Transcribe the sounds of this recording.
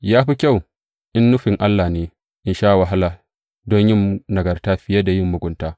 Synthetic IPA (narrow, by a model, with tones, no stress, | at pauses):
jaː˦ɸi˦kʲa˦˨w | ʔɪ˦nːʊ˦ɸɪ˨ŋʔa˦lːaː˨neː˦ | ʔɪ˨nʃaː˦ʔwa˨ɦa˦la˨ | dɔ˦ɲjɪ˦mnɐ˨ɡɐ˨rtaː˦ɸɪ˦ja˦da˨jɪ˦mːʊ˨ɡʷʊ˦ntaː˦